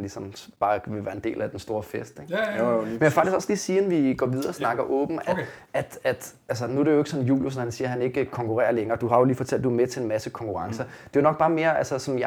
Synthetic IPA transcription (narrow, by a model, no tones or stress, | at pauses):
nlisɒmb̥ɑ̈ːʋe̝ʋæːɐend̥e̝̰ːlæd̥ensd̥o̝ːɐfesd̥eɡ̥mmenjæfɑɡ̥d̥isɡ̥ɒ̽slḭːsiːnʋiɡ̥ɒ̰ːʋið̞ˠɐːsnɑ̈ɡ̥ɐʔɔ̰̽ːb̥n̩æ̥ʔæd̥æd̥ | æls̬ɐnuæɾe̝joe̝ɡ̥sɒ̽njṵːljusnɒhænsiːɐɦæne̝ɡ̥əkʰɒŋkʰuʁɛ̰ːɐleŋɐːd̥uɦɑ̈jo̝liːfɒ̽t͡sʰæl̰d̥uæmet͡sʰe̝enmæsəkʰɒ̽ŋkʰuʁɑ̈ŋsɐ | d̥e̝jo̝nɒ̽ɡ̥̚b̥ɑ̈ːme̝ːɐʔælsɐsɒ̽mjɑ